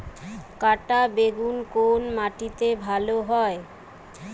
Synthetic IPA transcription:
kaʈabeɡunkonmaʈit̪ebʱaloɦɔe

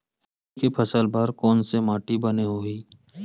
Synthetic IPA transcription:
kepʰɐsəlbaːɾkɔːnsemaːʈibɐneɦoːiː

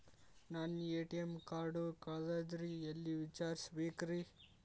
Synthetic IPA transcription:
naːneːʈijemkaːɾɖukadad̪ɾiɐlːiʋit͡ʃaːɾsbeːkɾi

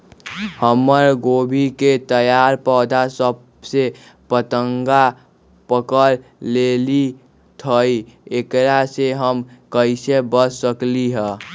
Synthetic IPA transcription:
həməɾɡobʱiket̪əjaɾpɔːd̪asəb̚ | se | pət̪əŋɡa | pəkəɾleli | t̪ʰəiekɾaseɦəmkəɪsebəsːəkliɦə

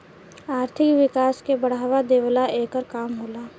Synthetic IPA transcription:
aːɾt̪ʰɪkʋɪkaːskebɐɽ̤aːʋad̪eːwlaʔeːkəɾkaːmɦoːlaː

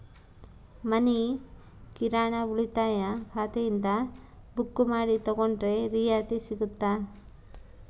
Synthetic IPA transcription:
mɐni | kiɾaːɳɐuɭit̪aːjɐkʰaːt̪ɛjind̪ɐ | bukːumaːɽit̪ɐɡoɳɖɾe̞ɾiːjaːt̪isiɡut̪ːaː

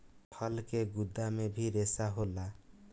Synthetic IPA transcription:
pʰʌlkeɡud̪ːamebʱiɾesaɦola

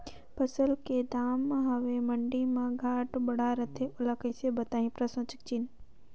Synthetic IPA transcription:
pəsəlked̪aːmɦɐʋemɐɳɖimãɡʱaːʈbɐɽaɾɐt̪ʰeʔʊlakəjsebɐt̪aːɦĩpɾɐsə̃t͡ʃə̥k̚t͡ʃiːn

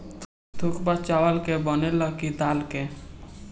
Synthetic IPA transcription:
t̪ʰukbat͡ʃawəlkebɔneləkid̪alke

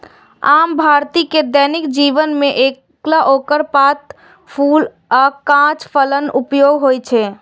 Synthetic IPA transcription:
ambʱaɾt̪iked̪ənikd͡ʒiʋənmeʔek | klaʔokəɾpat̪ | pʰul | akãt͡ʃpʰələnupjoɡɦojt͡ʃʰɛ

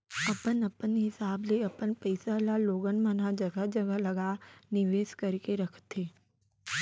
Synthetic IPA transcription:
ɐpənɐpənɦɪsaːbleɐpənpəɪsalaloːɡənmənad͡ʒɐɡəd͡ʒɐɡəlɐɡanɪʋeːskəɾkeɾɐkʰt̪eː

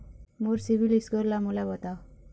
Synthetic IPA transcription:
moɾsibilisɡɔɾlamulabɔt̪aw

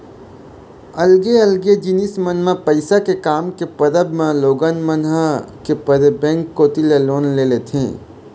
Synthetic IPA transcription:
əlɡeəlɡed͡ʒinismənmãpəɪsakekaːmkepəd̪əbmẽloːɡənmənɦakepəɾəbɛ̃ːŋkːoːt̪ileloːnleːlet̪ʰḛ̃ː

